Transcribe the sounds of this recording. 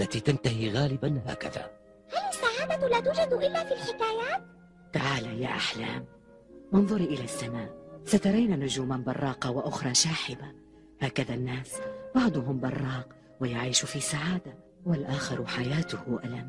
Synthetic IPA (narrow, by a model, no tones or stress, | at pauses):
ʔlːat̪iːt̪ant̪ahiːɣaːlɪbanha̰ːka̰ða̰ː | halasːaʕaːd̪alaːt̪uːd͡ʒad̪ʔɪlːaːfiːlħɪkaːjaːt̪̚ | t̪aʕaːlaja̰ːʔaħla̰ːm | wɑnðˤʊɾiʔɪlaːsːamaːʔsat̪ɑɾˤajnaːnʊd͡ʒuːmanbɑrˤːɑːqɑwaʔʊxɾˤɑːʃaːħɪba | haːkaðaːnːaːsbɑʕd̪ˤʊɦʊmbɑrˤːɑːq | wajaʕiːʃʊfiːsaʕaːd̪a | walʔaːxɪɾˤħajaːt̪ʊhʊʔalam